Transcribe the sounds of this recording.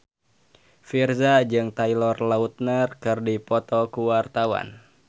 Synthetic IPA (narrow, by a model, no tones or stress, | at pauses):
firzad͡ʒɨŋt̪aijlɔrlaut̪̚nərkɨrdipɔt̪ɔkuwart̪awa̰n